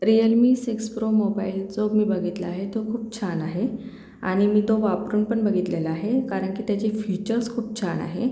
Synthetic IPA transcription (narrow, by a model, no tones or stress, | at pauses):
ɾijəlmiːsekspɾomobaild͡zoɡmiːbəɡʱit̪ləaɦet̪okʰuːp̚t͡ɕʰanaɦe | a̰ɽ̃imiːt̪oʋapɾuːnpəɳbəɡʱit̪leləaɦekaɾəɳkiːt̪jat͡ɕefut͡ɕəɾskʰuːp̚t͡ɕʰana̰ɦe